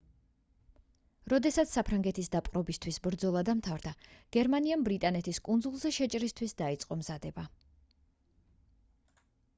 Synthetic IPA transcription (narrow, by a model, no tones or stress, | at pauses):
ɾɔd̪ɛsat̪ssːapʰɾaŋɡɛt̪ʰisd̪apʼqʼɾɔbist̪ʰwisbɾd̪zɔlˠad̪amt̪ʰavɾd̪aɡ̥ɛɾmaniambɾit̪ʼanɛt̪ʰiskʼund̪zulˠzɛʃɛt͡ʃʼɾist̪ʰwisd̪ait̪sʼqʼɔmz̥ad̪ɛba